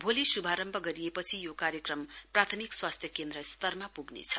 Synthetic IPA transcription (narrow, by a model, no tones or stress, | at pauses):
bʱolisubʱaɾʌmbʱʌɡʌɾiepʌt͡sʰijokaɾjʌkrʌmprat̪ʰʌmikswast̪ʰjʌkend̪rʌst̪ʌrmapuɡnḛt͡sʰʌ̥